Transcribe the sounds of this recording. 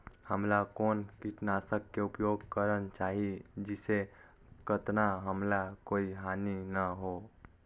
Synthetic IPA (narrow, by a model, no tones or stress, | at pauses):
həmlakoːnkiʈnaːsəkːeʊpjoːɡkəɾənt͡ʃaːɦid͡ʒɪse | kət̪naɦəmlakoːiɦaːninəɦoː